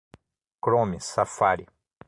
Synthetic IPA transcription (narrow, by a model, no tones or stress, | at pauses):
kɾomisafaɾi